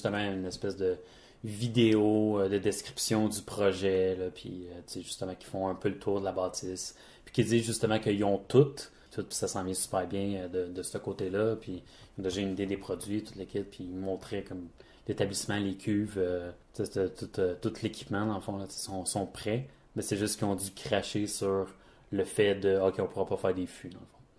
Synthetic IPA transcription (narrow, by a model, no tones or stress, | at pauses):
ʒyst̪əmãynɛspɛsd̪ə | vid̪eod̪əd̪eskʲʁi̥psjɔ̃d͡z̪ypʁɔʒɛlʌpʰɥḭøt͡seʒyst̪əmãkʲi̥fɔ̃ə̃pølət̪ʰuːʁd̪əlabaːt͡sɪs | pi̥kʲid͡ziʒyst̪əmãkəiɔ̃t̪ʊt̪ | t̪ʰʊt̪̚pi̥sasɑ̃vjɛ̃sy̥pæːʁbjɛ̃əd̪əd̪əsəkoːt̪elʌpʰɥi | jɔ̃d̪eʒɑynid̪ed̪epχɔd͡zzɥit̪ʊt̪lekʲɪpːimɔ̃ːt̪χekɔm | let̪ablismãlekʲʰyːvøt͡set̪ɛt̪ʊt̪øt̪ʊt̪ʰlekʲi̥pmãd̪ɑ̃ləfɔ̃lət͡se̥sɔ̃sɔ̃pχɛ | mɛsɛʒʏst̪kʲiɔ̃d̪ykχaʃesyʁ | ləfɛd̪əokʲeɔ̃puʁapɔfæːʁd̪efyd̪ɑ̃ləfɔ̃